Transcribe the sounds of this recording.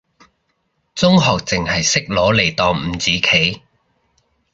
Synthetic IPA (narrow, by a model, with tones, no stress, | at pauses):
t͡sʊ˥ŋɦɔː˨k̚t͡sɪ˨ŋhɐ˨jsɪ˥k̚lɔː˨˥le˨˩jt̪ɔː˨ŋm̩˨˩t͡siː˨˧˥kʰe˨˥j